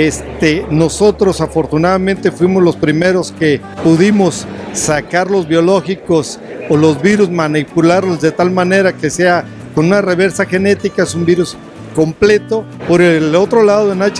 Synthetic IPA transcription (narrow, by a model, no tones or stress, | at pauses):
est̪eno̞so̞t̪ɾo̞safo̞ɾt̪unaðamẽnt̪e̞fwimo̞zlo̞spɾime̞ɾo̞ske̞ | puðimo̞sːakaɾlo̞zβjo̞lo̞xiko̞s | olo̞zβiɾuzmanipulaɾlo̞zðe̞t̪almãne̞ɾake̞se̞a | konũnare̞β̞e̞ɾsaxe̞ne̞t̪ikaesumbiɾus | ko̞mple̞t̪o̞ | po̞ɾelo̞t̪ɾo̞laðoðenat͡ʃ